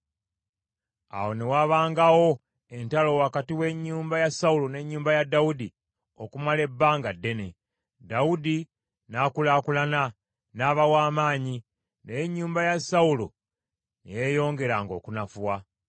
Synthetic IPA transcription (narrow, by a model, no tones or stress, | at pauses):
a̰wo̞newaβaːŋɡawo̞ | e̞ntalo̞wakatiwe̞ɲːuːmbajasaulo̞ne̞ɲːuːmbajadːaudi | o̞̰kumale̞bːaːŋɡadːe̞ne | daudi | nakulaːkulana | naːβawaːmaːɲi | nejeɲːuːmbajasaulo̞̰ | nijejo̞ːŋɡe̞ɾaŋɡo̞̰kunafuwa